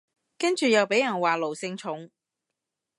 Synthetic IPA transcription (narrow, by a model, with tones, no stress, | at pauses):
kɐ˥nt͡ʃyː˨˩jɐ˨˧wpe˨˥jɐ˨˩nwaː˨˩lo˨˩wsɪ˧ŋt͡ʃʰʊ˨˥ŋ